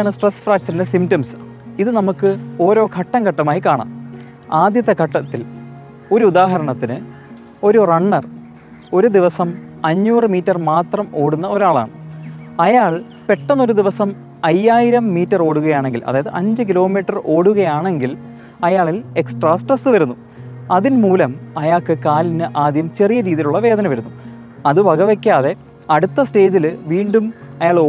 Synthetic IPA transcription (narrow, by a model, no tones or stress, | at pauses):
aːɳɨsʈresːfraːk̚t͡ɕɐɾindesimtɐms | iðɨnɐmukːɨo̞ːɾo̞ːkʰɐʈːɐŋkɐʈːɐmaːjikaːɳa̰ːm | aːd̪jɐt̪ːɐkʰɐʈːɐt̪ːil | o̞ɾuud̪aːɦɐɾɐɳɐt̪ːinɨ | o̞ɾurɐɳːɐr | o̞ɾud̪iʋɐsɐmɐɲːuːrɨmiːtːɐrmaːt̪rɐmo̞ːɽunːɐo̞ɾaːɭa̰ːɳɨɐjaːɭ | pe̞ʈːɐnːo̞ɾud̪iʋɐsɐm | ɐjːaːjiɾɐmːiːtːɐro̞ːɽuɣɐjaːɳe̞ŋɡilʔɐ̰ðaːjɐðɨʔɐɲd͡ʑɨk̬ilo̞ːmiːʈːɐrʔo̞ːɽuɣɐjaːɳe̞ŋɡil | ɐjaːɭile̞ksʈraːsʈrɐsɨʋɐɾunːu | ɐðinmuːlɐmɐjaːkɨkaːlinɨʔaːd̪jɐmt͡ɕe̞rijɐɾiːðiluɭːɐʋe̞ːd̪ɐnɐʋɐɾunːu | ɐðɨʋɐɡɐʋekʲːaːðe̞ | ɐɽut̪ːɐsʈe̞ːd͡ʑilʋiːɳɖumɐjaːɭo